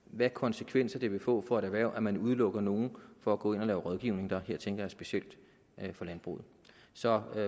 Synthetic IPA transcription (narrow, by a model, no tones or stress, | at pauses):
ʋækʰɒ̽nsekʰʋen̰sɐd̥e̝ʋe̝fɔ̰̽ːfɒ̽e̝ɾæʋæɐʊ̰ʔæmænuð̞ˠlɔ̽ɡ̥ɐno̝ːn̩fɒ̽æɡ̥ɔ̰̽ːe̝n̰ɒlɛːʊʁɒð̞ˠɡ̥iʊne̝ŋ̩d̥ɑ̈ɦeɐ̰t͡sʰeŋɡ̥ɐjɑ̈sb̥e̝ɕiel̰d̥ | fɒ̽lænb̥ʁṵːð̩ˠ | sɒ̽